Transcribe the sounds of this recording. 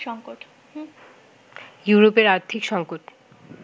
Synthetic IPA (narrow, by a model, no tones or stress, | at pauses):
ʃɔŋkoʈ | juɾopeɾaɾt̪ʰikʃɔŋkoʈ